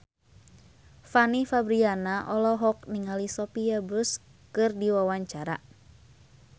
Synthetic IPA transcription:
fanifabɾianaʔɔlɔɦɔk̚niŋalisɔpiabʊs | kɨrdiwawaɲt͡ʃaɾa̰

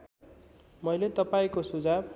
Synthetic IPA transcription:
mʌjlet̪ʌpaĩkosud͡zab

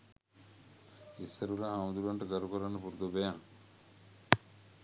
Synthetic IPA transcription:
isːəɾulaɦamd̪uɾuaɳʈəɡaɾukoɾanːəpuɾud̪obejaŋ

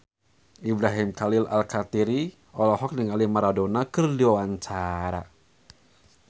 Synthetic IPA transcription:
ʔibɾaɦimkalɪla̰lkat̪iɾi | ɔlɔɦɔk̚niŋalimaɾadonakɨrdiwawaɲt͡ʃaɾa̰

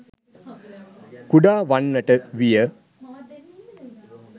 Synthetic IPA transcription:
kuɖaːʋɐnːɐʈɐʋijɐ

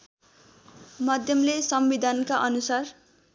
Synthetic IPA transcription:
mʌd̪ʱjʌmlesʌmbid̪ʱʌnkaʔʌnusar

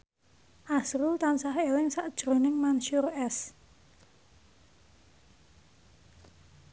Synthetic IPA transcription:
ʔasɾut̪ansahelɪŋsaʔd̥ʒ̥ɾo̤nɪŋmanʃurɛs

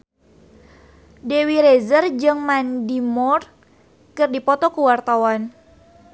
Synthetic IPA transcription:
dewiɾezərd͡ʒɨŋmandimɔr | kɨrdipɔt̪ɔkuwart̪awan

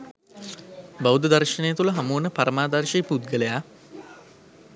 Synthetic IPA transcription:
baʋwd̪əd̪ɐrʃənejət̪uləɦamuːnəpaɾəmaːd̪arʃeput̪̚ɡələja

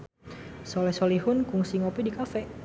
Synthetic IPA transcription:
solɛsolihʊnkuŋsiŋɔpidikafɛ

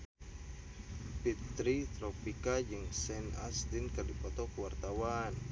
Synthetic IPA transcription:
pit̪ɾit̪ɾɔpikad͡ʒɨŋsɛna̰sd̪inkɨrdipɔt̪ɔkuwart̪awan

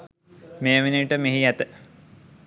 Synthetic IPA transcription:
meːʋiniʈəmeɦiæt̪ə

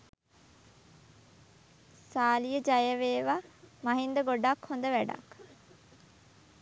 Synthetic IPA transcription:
saːlijəd͡ʒajəʋeːʋamaɦind̪əɡoɖakhond̪əʋæɖa̰k

